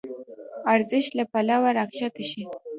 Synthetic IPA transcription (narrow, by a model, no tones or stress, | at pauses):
aɾzɪʃt̪lapalawaɾakʃat̪aʃi